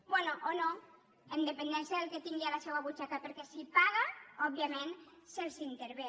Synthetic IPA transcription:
bwenoʔono | end̪epend̪ɛnsjaðelket̪iŋɡialasewaβut͡ʃakapeɾkɛsipaɣaɔbiamenselsint̪eɾβe

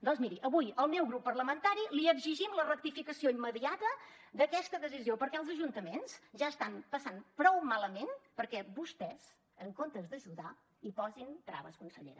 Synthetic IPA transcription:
d̪ɔnzmiɾiʔəβujəlˠmɛwɣɾupːərləmənt̪aɾiliəɡziʒimlərək̚t̪ifikəsioimːəðiat̪əd̪əkɛst̪əðəsiziopəɾkɛəlˠzəʒunt̪əmensz̥ʒaəst̪ampəsanpɾɔwmaləmenpəɾkɛbust̪ɛz̥ | əŋkont̪əzd̪əʒuða | ipɔzint̪ɾa̰βəskunsəʎḛɾə

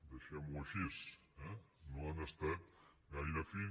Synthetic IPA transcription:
d̪eʃɛmuɐʃis | ɛ̃nõanɐst̪at̪ɡajɾɐfi

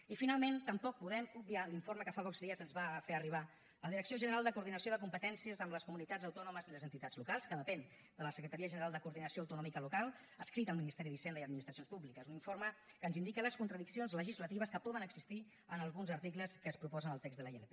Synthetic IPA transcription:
ifinalˠment̪əmpɔk̚puðɛmub̚bialiɱfoɾməkəfapɔkzðiəzənzβafeɾəriβ̞a | əlðiɾəksioʒənəɾalˠd̪əkuːɾðinəsioðəkumpət̪ɛnsiəzəmləskumunit̪ad͡zəwt̪ɔnuməziləzənt̪it̪ad͡zlukalˠskəðəpɛn | d̪ələsəkɾət̪aɾiəʒənəɾalˠd̪əkuɾðinəsioəwt̪unɔmikəlukalˠ | əskɾit̪əlˠminist̪ɛɾiðisɛnd̪əiəd̪minist̪ɾəsionspuβlikəzuniɱfoɾmə | kəːnzind̪ikələskunt̪ɾəðiksionzləʒizlət̪iβ̞əskəpɔðənəɡzist̪i | ənəlˠɣunzəɾt̪ikləskəːspɾupɔzənəlˠt̪ɛɡzðələelepe

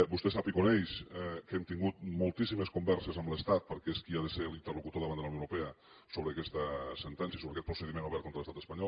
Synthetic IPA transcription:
bust̪ɛsapikonɛjʃɛkɛmt̪iŋɡut̪molˠt̪isiməskumbɛɾsəzəmləst̪at̪̚pəɾkɛeskiaðəselint̪ərlukut̪oðəβand̪əluwnowɾupeə | soβɾəːkɛst̪əsənt̪ɛnsjəsoβeəkɛt̪pɾusəðimenuβɛɾt̪kont̪ɾələst̪at̪əspɐɲɔl

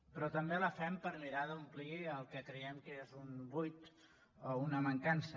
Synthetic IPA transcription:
pɾɔt̪əmbeləfɛmpəɾmiɾaðəumpliəlˠkəkɾəɛmkezumbujt̪ | ounəməŋkansə

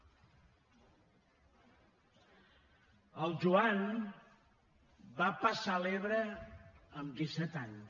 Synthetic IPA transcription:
əlˠʒuan | bapəsaleβɾə | əmd̪isɛt̪aɲ

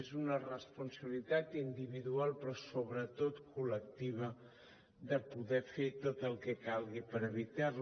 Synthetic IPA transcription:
ezunərəspunsəβilit̪at̪ind̪iβiðualˠpɾɔsoβɾət̪ot̪kulək̚t̪iβə | ðəpuðɛfet̪ot̪əlˠkɛkalˠɣipəɾəβit̪ar

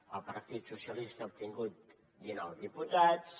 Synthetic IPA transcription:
əlˠpəɾt̪it̪susiəlist̪əup̚t̪iŋɡut̪̚ | dinawdiput̪at͡s

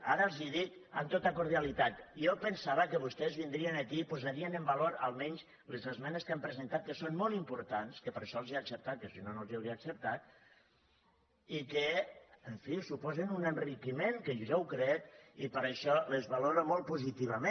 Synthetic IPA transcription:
a̰ɾəlˠziðik̪a̰mt̪ot̪akuɾðjalit̪at̪iopənsaβəkəβust̪ɛzβind̪ɾienakipuzaɾienəmbaloɾa̰lˠmɛɲs | lezəzmɛneskampɾəzent̪at̪̚kəsonmolˠimpuɾt̪anskəpəɾʃɔlˠziaksəp̚t̪at̪̚kəsinonolziawɾiaːksəp̚t̪at̪̚ | ikəəɱfisupɔzenunənrikimeŋkəʒawkɾɛt̪ipəɾəʃɔlezβaloɾomolˠt̪̚puzit̪iβ̞amẽ

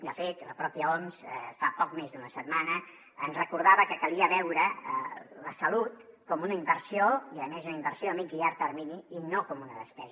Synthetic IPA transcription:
d̪əfet̪ləpɾɔpiəɔmzfapɔkmezd̪unəsət̪manə | ənzrəkuɾð̞aβəkəkəliəβɛwɾəələsəlut̪̚kɔmunəimbəɾsioiəðəmezunəimbəɾsioəmiziaɾt̪əɾminiinokɔmunəðəspɛzə

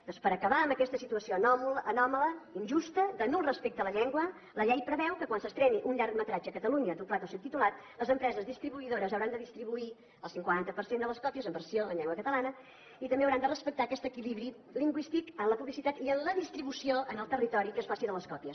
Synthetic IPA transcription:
d̪ɔnspəɾəkəβaəmbəkɛst̪əsit̪uəsioənɔmlʔːnɔmələinʲʒust̪əd̪ənulˠrəspek̚t̪ələʎɛŋɡwə | ləʎɛjpɾəβɛwkəkwansəst̪ɾɛniʔuɲʎaɾkmət̪ɾad͡ʒəkət̪əluɲəd̪uplat̪osɛwt̪it̪ulat̪̚ləzəmpɾɛzəzðist̪ɾiβuiðoɾəzəwɾand̪əðist̪ɾiβui | əlˠsiŋkwant̪əpəɾsend̪ələskɔpiəzəmbəɾsioənʎɛŋɡwəkət̪əlanə | it̪əmbeəwɾand̪ərəspək̚t̪aːkɛst̪əkiliβɾi | liŋɡwist̪ikənləpuβlisit̪at̪iənləðist̪ɾiβusioʔənəlˠt̪ərit̪ɔɾikesfasiðələskɔpiəs

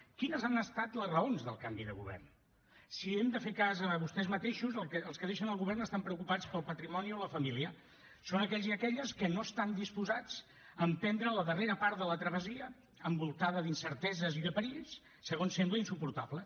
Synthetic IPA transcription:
kinəzanəst̪at̪ləzrəonzðə̰lˠkambiðəɣṵβɛ̰rn | siɛmd̪əfekazəβust̪ɛzmət̪eʃuzəkəːlˠskəðeʃənəlˠɣuβɛrnəst̪ampɾəukupat͡spəlˠpət̪ɾimɔnioləfəmiliə | sonəkɛʎziəkɛʎəskənoəst̪and̪ispuzad͡z | əmpɛnd̪ɾələðəreɾəpaɾt̪ðələt̪ɾəβəziə | əmbulˠt̪aðəðinsəɾt̪ɛzəziðəpəɾiʎs | səɣonsembləinsupuɾt̪ablə

